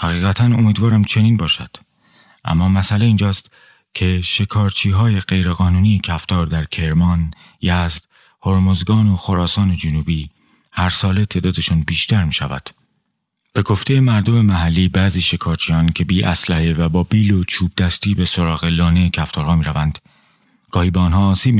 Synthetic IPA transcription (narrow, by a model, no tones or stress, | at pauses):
hæɣiːɣæt̪ʰæno̞miːd̪vɒːɾæmt͡ʃʰe̞niːnbɒːʃæd̪̥ | ʔæ̰mːɒːmæsæleiːnd͡ʒɒːst̪ | cʰe̞ʃe̞kʰɒːɾt͡ʃʰiːɦɒːje̞ɢe̞jɾe̞ɣɒːnuːnijecʰæft̪ʰɒːɾd̪æɾcʰe̞ɾmɒːn | jæzd̪̥ | hoɾmozɡɒːnoxoɾɒːsɒːne̞d͡ʒonuːbiː | hæɾsɒːle̞t̪ʰe̞ːd̪ɒːd̪e̞ʃuːnbiːʃt̪æɾmiːʃævæ̰d̪̥ | b̥e̞ɡo̞ft̪ʰe̞je̞mæɾd̪o̞me̞mæɦælːiːbæːziːʃe̞kʰɒːɾt͡ʃʰiːjɒːncʰe̞biːʔæslæhevæbɒːbiːlot͡ʃʰuːb̚d̪æst̪iːbe̞so̞ɾɒːɣe̞lɒːne̞cʰæft̪ʰɒːɾhɒːmiːɾævænd̪̥ | ɡ̥ɒːhiːbeɔnɦɒːsiːbm